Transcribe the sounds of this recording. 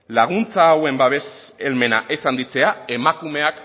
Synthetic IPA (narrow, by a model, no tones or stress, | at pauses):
laɣ̞unt͡saːwe̞mbaβe̞s | elme̞na̰ʔe̞sand̪it͡se̞ae̞makume̞ak